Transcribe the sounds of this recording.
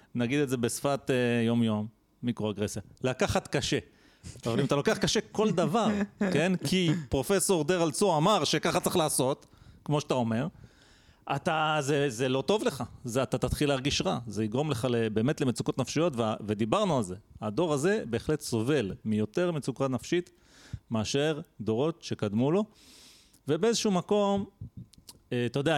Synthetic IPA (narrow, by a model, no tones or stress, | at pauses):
naɡid̪ezebesfat̪ejo̞mjo̞mː | ikʁoaɡʁesjalakaχat̪kaʃe̞ | avalimat̪alo̞keaχkaʃe̞ko̞ld̪avaʁke̞nkʰipʁo̞fe̞so̞ʁd̪eʁalt͡soamaʁʃe̞kaχat͡se̥χlaːso̞t̪kmoʃat̪ao̞me̞ʁ | at̪azezelo̞t̪o̞vle̞χazeat̪at̪at̪χileːʁɡiʃʁazeiɡʁo̞mle̞χalebe̞ːme̞tle̞met͡sukot̪nafʃijo̞t̪veave̞d̪ibaʁnualze̞ad̪o̞ʁaze̞be̞ːχle̞t̪so̞ve̞lmijo̞t̪e̞ʁme̞t͡sukanafʃit̪ | meaʃe̞ʁd̪o̞ʁo̞t̪ʃe̞kad̪mulo̞ | ve̞beezeʃuumako̞m | eatajodea